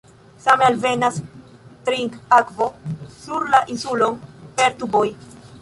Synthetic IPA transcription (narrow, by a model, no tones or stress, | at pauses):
samealve̞nas | tɾiŋkakvo̞suɾlaʔinsulo̞npeɾt̪uboj